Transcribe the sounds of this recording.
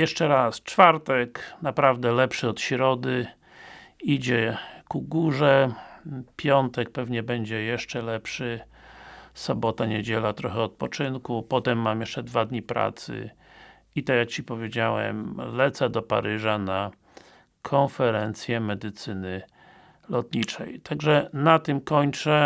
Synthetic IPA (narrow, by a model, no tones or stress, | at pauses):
jɛʂt͡ʂɛɾast͡ʂfaɾt̪ɛknapɾavd̪ɛlɛpʂɘɔt̪ɕɾɔd̪ɘ | id͡ʑɛkuɡuʐɛ | pʲjɔnt̪ɛk̚pɛvɲɛbɛɲd͡ʑɛjɛʂt͡ʂɛlɛpʂɘ | sɔbɔt̪aɲed͡ʑɛlat̪ɾɔxɛɔt̪̚pɔt͡ʂɘnkupɔt̪ɛmːamjɛʂt͡ʂɛd̪vad̪ɲipɾa̰t̪sɘ̰ | it̪ajak̚t͡ɕipɔvʲjed͡ʑawɛ̰mlɛt̪sɛd̪ɔpa̰ɾɘʐana | kʰɔnfɛɾɛnt̪sʲjɛmɛd̪ɘt̪sɘnɘ | lɔt̪ɲit͡ʂɛ̰jt̪ʰaɡʐɛnat̪ɘmkɔɲt͡ʂɛ